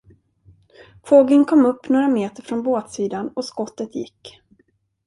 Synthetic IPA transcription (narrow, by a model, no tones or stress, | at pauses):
foːɡənkʰɔmːɵpːnoːɾameːt̪əɾfɾɔnboːt̪siːd̪anɔskɔt̪ːət̪jɪ̰kː